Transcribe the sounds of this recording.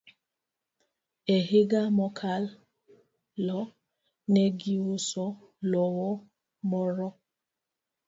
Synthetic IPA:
eɦɪɡamɔkʰal | lɔ | neɡiosɔ | lɔwɔ | mɔɾɔ

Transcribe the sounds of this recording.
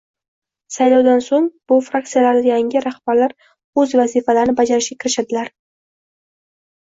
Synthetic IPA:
sajlɑwd̪ansoŋb̥ʊfɾak̚t̪sijalaɾd̪ajaŋʲɪɾahb̥aɾlaɾ | ɵzvazifalaɾɪnɪbad͡ʒaɾɪʃɡʲakʲʰɪɾɪʃad̪ɪlaɾ

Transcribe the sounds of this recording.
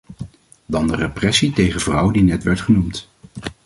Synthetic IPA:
dɑndəreprɛsitejχəvrʌwdinɛtʋɛɹtχənumt

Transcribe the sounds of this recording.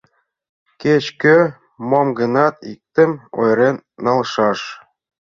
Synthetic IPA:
ket͡ɕkø | momɡɤ̆nɑt̪ik̚t̪ə̆mo̰jɾenːɑlʃɑʃ

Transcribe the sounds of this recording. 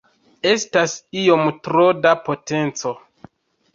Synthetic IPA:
e̞stasio̞mtɾodapo̞te̞nt͡so̞

